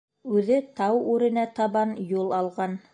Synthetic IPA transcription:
ʉðɘt̪ɑwʉɾɘ̆næt̪ɑβɑnjulˠɑlˠʁɑn

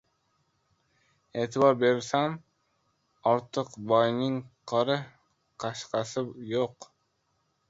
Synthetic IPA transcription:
et̪ʰɪbɑɾbeɾsɛm | ɑɾt̪ʰəqbɑjnɪŋqʰɑɾɨ | qʰɑʃqɑsɨjoq

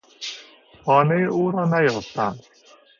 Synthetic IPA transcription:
xɒːnejeʔuːɾɒːnæjoft̪ænd̪

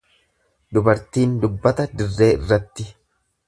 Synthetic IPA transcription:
d̪ʊbɐɾt̪iːnd̪ʊbːɐt̪ɐd̪ɪrːe̞ːɪ̰rːɐt̪ːɪ

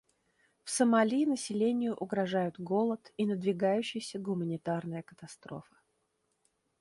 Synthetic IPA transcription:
fsəmɐlʲinəsʲɪlʲenʲɪjʊʔʊɡɾɐʐajʊt̪ɡo̞lˠət̪inəd̪vʲɪɡajʉɕːɪjsʲəɡʊmənʲɪt̪arnəjəkə̥t̪ɐst̪ɾo̞̰fə̥

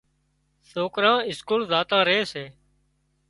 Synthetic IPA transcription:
soːkɾãːɪskuːlzaːt̪ãːɾeːseː

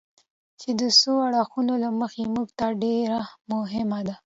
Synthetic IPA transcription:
t͡ʃed̪əsoaɽaxunolaməxemuɡt̪aɖeɾamʊɦɪmad̪a

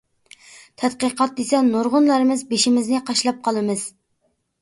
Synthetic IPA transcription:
t̪ʰɛd̪qəqɑt̪̚d̪esɛnːoɾʁʊnlˠɑɾɨmɨzbeʃimɪznɪqʰɑʃlˠɑp̚qʰɑlˠɨmɨz̥

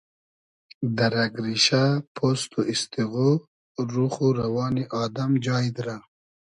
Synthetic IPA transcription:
d̪aɾaɡɾiʃapʰost̪oɪst̪iɣo | ɾuxuɾawɑːniʔɑːd̪amd͡ʒɑːjd̪ɾa

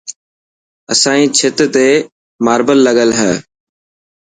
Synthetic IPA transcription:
ə̰sãːĩːt͡ʃʰɪt̪t̪eː | maːɾbəlːəɠəlɦɛː

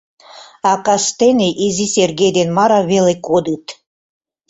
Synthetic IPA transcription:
ɑkɑst̪eneʔiziserɡejd̪enmɑɾɑβelekod̪ɨt̪

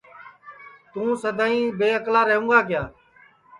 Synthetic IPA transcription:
t̪ũːsəd̪ãːĩːbeːəklaːɾəɦũːɡaːkɪjaː

